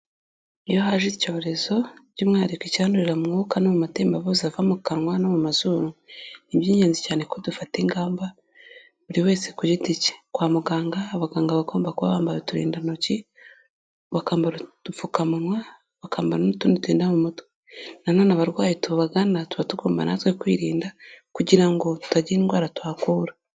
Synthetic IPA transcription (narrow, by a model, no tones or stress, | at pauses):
ijohaʒico̞ɾe̞zo̞ɟimŋaːɾikeciaːnduɾiɾamŋokanomumateːmbaβozavamukanwanomumazuːmunibjiːɲeːnzicaːnekodufateŋɡaːmba | βuɾiwe̞ːsekuɟitice̥kwaːmuɡaːŋɡaːβaɡaːŋɡaβako̞ːmbakuβa̰βaːmbajotuɾḭːndanoci | βakaːmbaɾtufukamunwa | βakaːmbanonutunituiːndamumutwe | nanoːnaβaɾɡwaːjetuββaɡanatuβatuɡo̞ːmba̰na̰twekwiːɾiːndakuɟiɾaŋɡo̞twaɟiinɡwaːɾatwaːkuːɾa